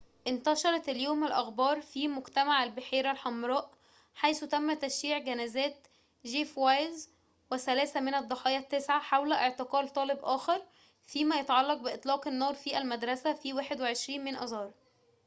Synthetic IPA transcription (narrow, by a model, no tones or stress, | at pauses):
ʔɪnt̪ɑʃɑɾˤɑt̪æljoːmælʔɑxbɑːɾˤfimʊɡt̪æmaʕælbeħiːɾælħɑmɾˤɑːʔ | ħajsut̪æmːæt̪æʃːiːʕɡænæːzæːt̪ | ʒiːfwæjz | wesælæːsæmenæd̪ˤːɑħɑːjɑt̪ːesʕaħawlæʔeʕt̪eqɑːlt̪ˤɑːlebʔæːxɑɾˤ | fiːmæjɑt̪ʕɑlːɑq̚beɪʔet̪ˤlɑːqenːɑːɾˤfiːʔælmæd̪ɾˤɑsæfiːwæːħed̪weʕeʃɾiːnmenʔɑzɑːɾˤ